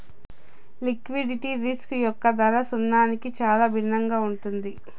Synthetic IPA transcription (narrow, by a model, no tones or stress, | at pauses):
likʋiɖiʈiɾiskujɔkːɐd̪ɐɾɐsunːaːnikit͡ʃaːlaːbʱinːɐŋɡaːuɳʈund̪i